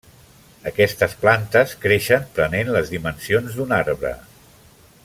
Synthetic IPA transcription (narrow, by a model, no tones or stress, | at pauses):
əkɛst̪əsplant̪əskɾeʃəmpɾənenləzðimənsionzd̪unaɾβɾə̰